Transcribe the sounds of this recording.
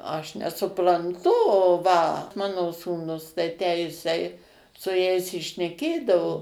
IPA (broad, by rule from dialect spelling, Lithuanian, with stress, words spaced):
ˈɐʃ nʲɛsʊprɐnˈtʊ oː ʋɐ ˈmɑːnoː suːˈnʊs tɐɪ tʲæː ˈjɪsɐɪ sʊ ˈjɛɪs ɪ ʃʲnʲɛˈkʲeːdɐʋoː